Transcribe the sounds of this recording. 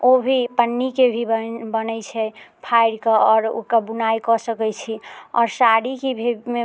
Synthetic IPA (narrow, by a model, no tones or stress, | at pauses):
obʱipənːikebʱibənɛt͡ʃʰɛpʰajɾkeɔːɾo̰kəbunajkɔsəkɛt͡ʃʰiɔ̰ːɾsaɽikebʱime